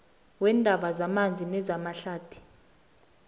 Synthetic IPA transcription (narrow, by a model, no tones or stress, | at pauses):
wɛːndʱaɓazamand͡zʱinɛzamaɬaːd̥ʱi̥